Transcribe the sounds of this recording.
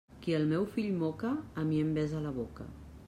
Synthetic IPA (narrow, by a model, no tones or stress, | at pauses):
kiəlˠmɛwfiʎmɔkəːmiəmbɛzalaβokə̰